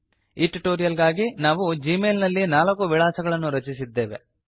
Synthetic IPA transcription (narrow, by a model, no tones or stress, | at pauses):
iʈʈoːɾijɐlɡaːɡinaːʋud͡ʒiːmeːlnɐlːinaːlɐkuʋiɭaːsɐɡɐɭɐnːuɾɐt͡ʃisid̪ːe̞ːʋe̞̰